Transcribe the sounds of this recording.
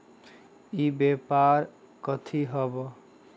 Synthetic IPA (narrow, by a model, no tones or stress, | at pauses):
ibepaɾ | kɔt̪ʰiɦɔbo